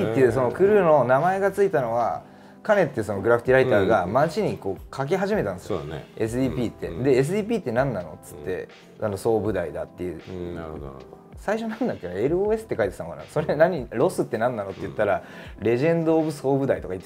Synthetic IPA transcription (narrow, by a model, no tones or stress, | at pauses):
it̪ːe̞jɯ̟ːso̞no̞kɯ̟ɾɯ̟no̞namae̞ɡat͡sɨit̪ano̞βa̰ | kane̞t̪ːeso̞no̞ɡɯɾap̟ʰt̪iɾait̪aːɡamat͡ɕiɲ̟iko̞ːkʰak̬eɦaʑime̞t̪ãnd̪esjḭes̬ɨiːpʲiːt̪ːe̞̰d̪e̞ːs̬ɨiːp̬ʲiːt̪ːe̞nãnːano̞̰t͡sɨ̥t̪ːe̞̰ | ʔano̞so̞ːbɯ̟d̪aid̪a̰t̪ːe̞ɯ̟̰ | saiɕo̞nãnd̪akːed̪oe̞ɾɯ̟oːe̞sɨ̥t̪ːekait̪e̥t̪anokana̰so̞ɾe̞naɲ̟iɾo̞sɨt̪ːe̞nãnːano̞t̪ːeɯ̟t̪ːaɾaɾe̞ʑẽ̞nd̪oːbɯ̟so̞ːbɯ̟d̪ait̪o̞kai